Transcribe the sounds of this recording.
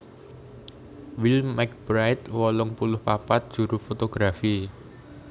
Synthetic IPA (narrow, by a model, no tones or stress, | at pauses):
wilmmɛk̚b̥ɾajt̪wɔlʊŋpulʊhpapat̪̚d̥ʒ̥ṳɾʊfot̪oɡ̥ɾafi